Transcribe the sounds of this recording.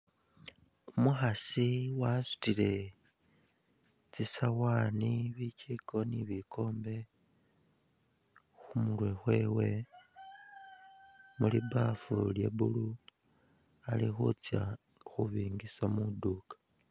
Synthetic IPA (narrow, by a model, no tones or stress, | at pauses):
umuxasiwasu̥tile̞ | t͡sisawaːniβiciko̞niβikʰo̞ːmbe̞ | xumulwe̞xwe̞ːwe̞ | mulibafṵljḛβulu | alixṵt͡sja | xuβiːŋɡisamuduːkḁ